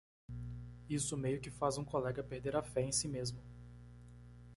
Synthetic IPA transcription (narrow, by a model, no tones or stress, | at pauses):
isʊmejʊkɪfazũkolɛɡɐpeɾd̪eɾɐfɛẽj̃simezmʊ